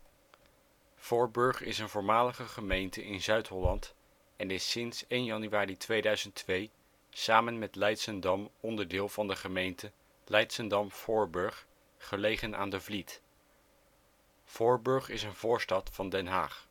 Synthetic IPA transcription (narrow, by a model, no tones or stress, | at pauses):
fɔɹbɵɹχɪ̰sənvʊːɹmaːləχəχəmejntəʔɪnzœɥtɦɔlɑnt | ɛnɪsɪnsejnjɑnyʋaːritʋejdœɥzəntʋej | saːmənmɛtlɛjtsəndɑmɔndəɹdɪːlˠvɑndəχəmejntə | lɛjtsəndɑmfʊːɹbɵɹχ | χəlejχənʔa̰ːndəvlit | fʊːɹbɵɹχɪsənvʊːɹstɑtfɑndɛnɦa̰ːχ